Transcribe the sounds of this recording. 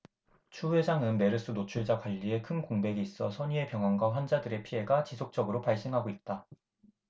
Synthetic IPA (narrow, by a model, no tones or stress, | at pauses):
t͡ɕʰuwe̞d͡ʑaŋɯnme̞ɾɯs͈ɯnot͡ɕʰuɭd͡ʑakwaʎːie̞kʰɯnkoŋbe̞ɡiːs͈ʌsʰʌɲie̞pjʌŋɦwanɡwaɸwand͡ʑadɯɾe̞pʰiɦe̞ɡat͡ɕisʰok̚t͡ɕ͈ʌɡɯɾopaɭs͈eŋɦaɡoit̚t͈a